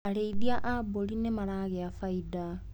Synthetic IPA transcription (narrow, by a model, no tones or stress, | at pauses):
aɾeiðiaʔabolinemaɾaɣeafaida